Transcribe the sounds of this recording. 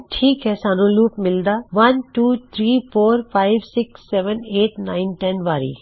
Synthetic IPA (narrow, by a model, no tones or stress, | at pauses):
ʈʰiːkɦɛsaːnoluːpmɪld̪aːʋɐnʈuːt̪ʰɾiːfoːɾfʰaːɪʋsɪksːɛːʋəneːʈnaːɪnʈɛnʋaːɾḭː